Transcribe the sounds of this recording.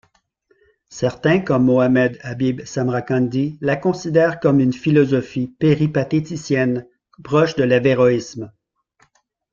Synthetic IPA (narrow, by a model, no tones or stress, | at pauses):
sɛʁt̪ɛ̃kɔmːoamɛd̪abibsamʁakɑ̃nd̪ilakɔ̃sid̪ɛːʁkɔmynfilɔzɔfipeʁipat̪et̪isjɛn | pʁɔʃd̪əlaveʁɔism